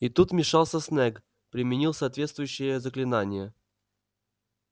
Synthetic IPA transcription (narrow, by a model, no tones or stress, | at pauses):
it̪ut̪mʲɪʂɑlˠsʲəsnɛk | pɾʲɪmʲɪnʲilˠsaːt̪vʲetst̪vʊjʉɕːɪjəzəklʲɪnanʲɪjə